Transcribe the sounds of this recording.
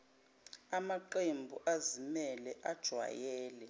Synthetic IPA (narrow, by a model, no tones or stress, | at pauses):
amaǃembʱuʔazimɛlɛʔad̥ʒ̥ʱwa̰jɛːlɛ